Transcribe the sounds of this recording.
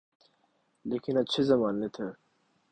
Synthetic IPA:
leːkinɐtt͡ɕʰezɐmaːnet̪ʰe

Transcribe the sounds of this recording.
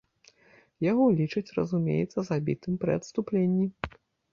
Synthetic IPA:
jaɣɔlʲit͡ʂɨt͡sʲrɐ̰zumʲḛjɛ̰t̪sːɐzabʲḭt̪ɨmpɾʲɨɐt̪st̪uplʲenʲːi

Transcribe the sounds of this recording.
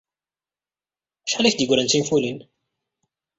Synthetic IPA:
ʃħalæçd̪əɡɾənt͡sinfulin

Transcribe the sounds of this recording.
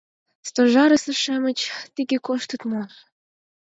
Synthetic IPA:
st̪oʒɑɾə̆sə̆ʃæmə̆t͡ɕt̪iɡekoʃt̪ɤ̆t̪mo

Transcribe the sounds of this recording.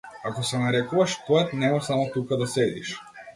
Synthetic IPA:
akɔsɛnaɾɛkuvaʃpɛt̪nɛmasamɔt̪ukad̪asɛd̪ḭʃ

